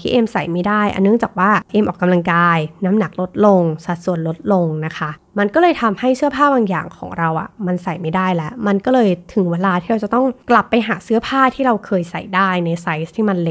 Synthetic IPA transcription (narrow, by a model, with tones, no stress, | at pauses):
t̪ʰiː˥˩ʔeː˧msa̰˨˩jma˦˥˩jdaː˥˩jʔa̰˧nːɯ˥˩ŋt͡ɕaː˨˩k̚waː˥˩ʔeː˧mʔɔː˨˩kːa˧mla˧ŋkaː˧jnaː˦˥mna˨˩˦k̚lo˦˥t̪̚lo˧ŋsa˨˩t̪̚su˨˩ənlo˦˥t̪̚lo˧ŋna˦˥kʰa˦˥ | ma˧nkɔː˥˩lɤː˧jt̪ʰa˧mha˥˩jsɯ˥ɐpʰaː˥˩baː˧ŋja̰ː˨˩ŋkʰɔ̰ː˩˦ŋɾa˧wʔa̰˨˩ma˧nsa˨˩jma˥˩jdaː˥˩jlɛ˦˥ʔma˧nkɔː˥˩lɤː˧jt̪ʰɯ˨˩˦ŋweː˧laː˧t̪ʰiː˥˩ɾa˧wt͡ɕa˨˩t̪ɔ˥˩ŋkla˨˩pːa˧jɦaː˩˦sɯ˦˥ɐpʰaː˥˩t̪ʰiː˥˩ɾa˧wkʰɤː˧jsa˨˩jdaː˥˩jna˧jsa˦˥jst̪ʰiː˥˩ma˧nle˦˥